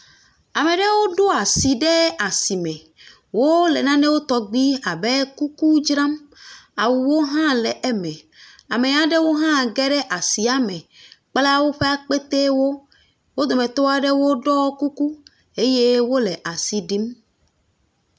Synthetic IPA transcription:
a˨mẽ˨ɖɛ˦wo˦ɖo˦a˨si˨ɖɛ˦a˨si˨mɛ̃˨ | wo˦lɛ˨nã˦nɛ˦wo˦t̪ɔ˦ɡ͡bi˦a˨bɛ˦ku˦ku˦d͡ʒɾã˦ma˨wu˨wo˦ɦã˦lɛ˨ʔɛ˦mɛ̃˨ | a˨mẽ˨ɲã˦ɖe˦wo˦ɦã˦˨ɡɛ˦ɖɛ˦ʔa˨si˨a˦mɛ̃˨k͡pla˦wo˦ɸe˦a˦k͡pe˦t̪e˦wo˦ | wo˦d̪o˨mɛ̃˨t̪o˦a˨ɖe˦wo˦ɖɔ˦ku˦ku˦ | e˦je˦wo˦lɛ˨ʔa˨si˨ɖi˦m

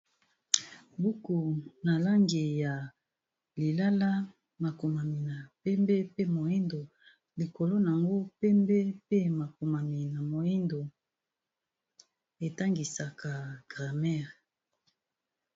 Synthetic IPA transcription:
bu˦ku˨na˨la˦ŋɡi˨ja˨ | li˨la˦la˦ | ma˨ko˨ma˨mi˨na˨pɛ˦mbe˦pe˦mo˨e˦ndo˨ | li˨ko˨lo˦n˨a˨ŋɡo˦pɛ˦mbe˦pe˦ma˨ko˨ma˨mi˨na˨mo˨ji˦ndo˨ | e˨ta˦ŋɡi˨sa˨ka˨ɡ̥ʁa˨mɛ˦ʁ

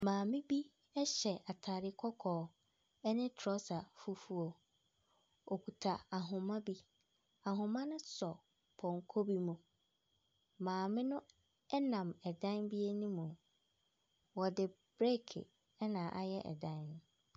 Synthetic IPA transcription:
mãː˨mɪ̃˦bi˦ | ɛ˦ɕɛ˨a˨tʰa˨ɾɪ˦kʰɔ˦kʰɔː˨ | ɛ˦nɪ̃˦tʰɾɔ˦sa˨fu˦fu˦o˨ | o˨kʰu˨tʰa˨a˨ɦʊ̃˨mã˦bi˦ | a˨ɦʊ̃˨mã˦nʊ̃˦sɔ˨ | pʰɔ̃˨ŋkʰo˦bi˦mũ˨ | mãː˨mɪ̃˦nʊ̃˦ | ɛ˦nã˨mɛ˨dã˦nbi˦e˦nĩ˦mũ˨ | wɔ˨dɪ˨ | b̥ɾɛ˦kʰɪ̰˨ | ɛ˦nãː˨ʔa˦jɛ˦ʔɛ̰˨dã˦n˦n˨

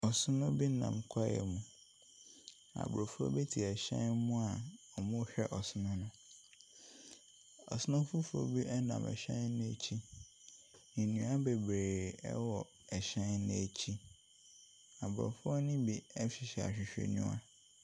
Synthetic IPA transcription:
ɔ˨sʊ˦nʊ̃˦bi˦nã̰˨m˨kʰa˦jɛ̰˨mũ˨ | a̰˨bɔ˨fʊ˦ɔ̰˦be˦tʰi˨ɛ˨ɕɛ̃˦nmũ˦a˨ɔ˨mʊ̃˦hɕᶣɛ˦ʔɔ˨sʊ˦nʊ̃˦nʊ̃˦ | ɔ̰˨sʊ˦nʊ̃˦fu˦fʊ˦o̰˦bi˦ʔɛ˦nã̰˨mʔɛ̰˨ɕɛ̃˦n˦nʊ̃˦e˨t͡ɕʰi˦ | nĩ˨nũ˨˦a˦be˨bɾeː˨ɛ̰˦wɔ˨ | ɛ˨ɕɛ̃˦nñ˦e˨t͡ɕʰi˦ | a˨bɾɔ̰˨fʊ˦ɔ˦nɪ̃˦bi˨ɛ˦ɕɪ˨ɕɛ˨a̰˨ɕᶣɪ˨ɕᶣḛ˨nṵ̃˦a̰˨

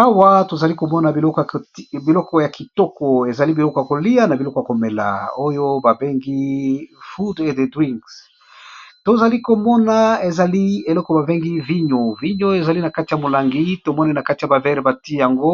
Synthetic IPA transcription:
a˦wa˦to˨za˨li˦ko˨mɔ˦na˨bi˨lɔ˦kbi˨lɔ˦kɔ˦ja˨ki˨tɔ˦kɔ˨e˨za˨li˦bi˨lɔ˦kɔ˨ja˨ko˨li˦ja˦na˨bi˨lɔ˦kɔ˨ja˨ko˨me˨la̰˨o˦jo˦ba˨be˦ŋɡi˦fu˦de˨de˨dwi˦ŋks | to˨za˨li˦ko˨mɔ˦na˨e˨za˨li˦e˨lɔ˦kɔ˨ba˨be˦ŋɡi˦vi˦ɲo˨vi˦ɲo˦e˨za˨li˦na˨ka˦ti˨ja˨mo˨la˨ŋɡi˦to˨mɔ˦ni˦na˨ka˦ti˨ja˨ba˨vɛ˦ʁe˨ba˨ti˦ja˨ŋɡo˦

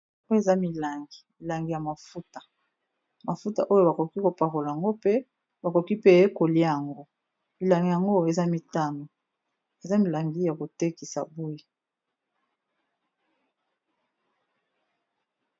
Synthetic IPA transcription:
e˨za˦mi˨la˨ŋɡi̥˨mi˨la˨ŋɡi˨ja˨ma˨fu˦tḁ˨ | ma˨fu˦ta̰˨ʔo˦jo˦˨ba˨ko˨ki˦ko˨pa˨ʁo˨la˨ja˨ŋɡo˦pe˦ | ba˨ko˨ki˦pe˦˨e˦ko˨li˦˨ja˨ŋɡo˦ | mi˨la˨ŋɡi˨ja˨ŋɡo˦e˨za˦mi˨ta˦mo˨ | e˨za˦mi˨la˨ŋɡi˦ja˨ko˨te˦ki˨sa̰˨bu˦i˦

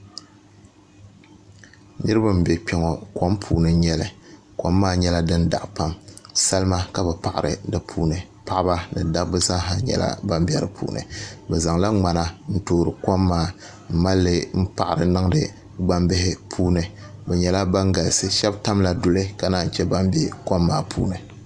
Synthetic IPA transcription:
nɨ˦ɾɨ˦ba˦m̩˨bɛ˨k͡pɛ˦ŋɔ˨kɔ˦mpʰuː˨nɨ˨˦ɲɛ˦lɨ˨ | ko˦mːaː˦ɲɛ˦la˦dɨ˦nda̰˨ʔpa˦msa˦lma˦ka˦bɛ˨pa˨ʔa̰˨ɾɨ̰˨dɨ˦pʰuː˦nɨ˨ | pa˦ʔba˦nɨ˨da˦bbɨ˦za˦ɦa˨ɲɛ̰˨la̰˦ba˦mbɛ˦ɾɨ˨pʰṵː˦nɨ̰˨bɛ˨za˨ŋla˦ŋ͡ma˨na˦n̩˦toː˨ɾɨ˨ko˦mːaː˦ | m̩˦ma˦lːɨ˦m̩˦pa˨ʔa˨ɾɨ˨nɨ˦ŋ˦dɨ˦ | ɡ͡ba˦mbɪ˦hɪ˦pʰuː˦nɨ˨ | bɛ˨ɲɛ˨la˦ba˦ŋɡa˨lsɨ˦ʃɛ˦bta˦mla˨dʊ˨lɨ˦ka˨naː˦˨n̩˨t͡ʃɛ˦ba˦mbe˦ko˦mːaː˦pʰṵː˦nɨ˨

